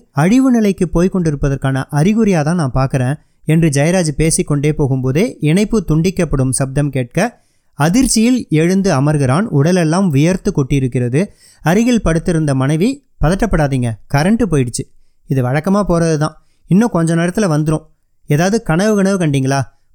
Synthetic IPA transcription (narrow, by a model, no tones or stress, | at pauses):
ɐɻɪʋɯnɪlɐɪkːɯpoːjkɔɳɖɪɾɯpːɐðɐɾkaːnɐʔɐɾɪɣɯɾɪjaːt̪ãːnãːmpaːɾkɪɾẽː | ɛndrɯd͡ʒɐjɐɾaːd͡ʒɯpeːsɪkːɔɳɖeːpoːɣɯmpoːðeːʔɪnɐɪpːɯt̪ʊɳɖɪkːɐpːɐɽɯmsɐb̚d̪ɐmkeːʈ̚kɐ | ɐðɪɾt͡ʃːɪjɪlɛɻɯnd̪ɯɐmɐɾɣɪɾaːnʊɽɐlɛlːaːmʋɪjɐɾt̪ɯkːɔʈːɪɪɾɯkːɪrɐðɯ | ɐɾɪɣɪɭpɐɽɯt̪ːɪɾɯnd̪ɐmɐnɐɪʋi | pɐðɐʈːɐpːɐɽaːðiːŋɡɐkɐɾɐɳʈːɯpoːjɪɽɯt͡ʃːɯ | ɪðɯʋɐɻɐkːɐmaːpoːɾɐðɯt̪ãː | ɪnːõːkɔɲd͡ʒɐnɛːɾɐt̪ːɪlɐʋɐnd̪ɯɾõː | eːðaːʋɐðɯkɐɳɐʋɯɣɐɳɐʋɯkɐɳɖiːŋɡɐɭaː